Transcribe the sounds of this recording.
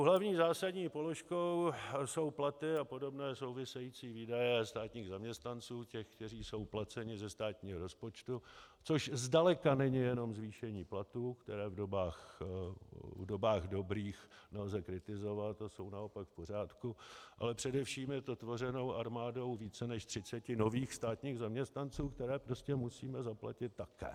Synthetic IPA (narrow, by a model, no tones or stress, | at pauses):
ɦlavɲiːzaːsadɲiːpo̞lo̞ʃkowso̞wplat̪ɪapo̞do̞bnɛːso̞wvɪsɛjit͡siːviːdajɛst̪aːt̪ɲiːɣzamɲɛst̪nant͡suːcɛxkt̪ɛriːso̞wplat͡sɛɲɪzɛst̪aːt̪ɲiːɦoɾo̞spot͡ʃt̪ut͡so̞ʃzdalɛkanɛɲɪjɛno̞mzviːʃɛɲiːplat̪uːkt̪ɛɾɛːvdo̞baːx | vdo̞baːɣdo̞bɾiːxnɛlzɛkɾɪt̪ɪzo̞vat̪aso̞wnao̞pakfpo̞r̝aːt̪kuʔa̰lɛpr̝̥ɛdɛfʃiːmjɛt̪ot̪vo̞rɛno̞wʔaɾmaːdo̞wviːt͡sɛnɛʃt̪r̝̥ɪt͡sɛcɪno̞viːxst̪aːt̪ɲiːɣzamɲɛst̪nant͡suːkt̪ɛɾɛːpɾoscɛmusiːmɛzapla̰cɪt̪̚ːakɛ̰ː